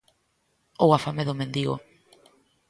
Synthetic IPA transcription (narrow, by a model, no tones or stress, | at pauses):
owafameðomẽnd̪iɣo̰